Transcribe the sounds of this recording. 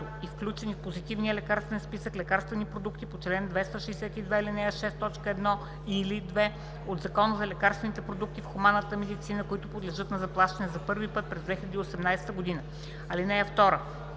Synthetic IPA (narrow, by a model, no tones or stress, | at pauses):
ʊ | ifklʲut͡ʃɛnifpozit̪ivnijəlɛkaɾst̪vɛnspisəklɛkaɾst̪vɛnipɾod̪ukt̪ipot͡ʃlɛnd̪vɛst̪aʃɛːsɛt̪id̪vɛːlinɛjəʃɛst̪ːɔt͡ʃkəɛd̪nɔ | ilid̪vɛ | od̪zɐkɔnəzɐlɛkaɾst̪vɛnit̪ɛpɾod̪uk̚t̪ifxumanːət̪əmɛd̪it̪sinəkoʊit̪ʊpod̪lɛʒɤt̪nɐzɐplˠaʃt̪ɐnɛzɐpɤɾvipɤt̪̚pɾɛzd̪vɛxʲilʲɛd̪iosɛmnajsɛ̥t̪əɡod̪inə | ɐlinɛjəft̪ɔɾə